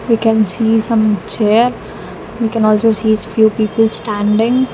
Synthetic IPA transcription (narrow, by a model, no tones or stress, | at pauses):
ʋiːkɛ̃nsiːsʌ̃mt͡ʃeːɾ | ʋiːkɛ̃nɔːlsoːsiːsfjuːpiːpəlsʈæ̃ɳɖɪ̃ŋ